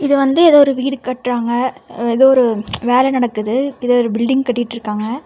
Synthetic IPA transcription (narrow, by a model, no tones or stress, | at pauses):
ɪðɯʋɐnd̪ɯɛðoːɾɯʋiːɽɯkɐʈːɾaːŋɡɐɛðoːɔɾɯʋeːlɛnɐɽɐkːɯðɯɪðoːɔɾɯbɪlɖɪŋɡkɐʈːɪɪʈːɪɾɯkːaːŋɡɐ